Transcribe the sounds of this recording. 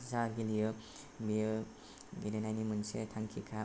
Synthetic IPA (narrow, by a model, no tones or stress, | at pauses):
zaɡilijɔ | bijɔ | ɡilenajnimɯnsetʰaŋkʰikʰa